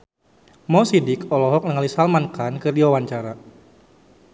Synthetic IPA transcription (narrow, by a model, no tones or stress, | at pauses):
mɔsidɪkɔlɔɦɔk̚nəŋalisalmankankərdiwawaɲt͡ʃaɾa